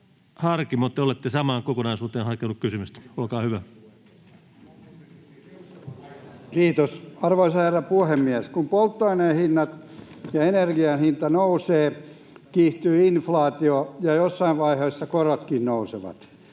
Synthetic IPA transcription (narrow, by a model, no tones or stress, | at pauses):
hɑrkimot̪ːeolet̪ːesɑmɑːŋkokonɑisuːt̪eːnhɑkenukkysymyst̪olkɑːhyʋæ | kiːt̪osɑrʋoisɑherːɑpuhemːiæskumpolt̪ːoinehinːɑt̪jɑenerɡiɑnhint̪ɑnouseː | kiːht̪yːinflɑːt̪iojɑjosːɑiʋʋɑiheːsːɑkorot̪kinnouseʋɑ̰t̪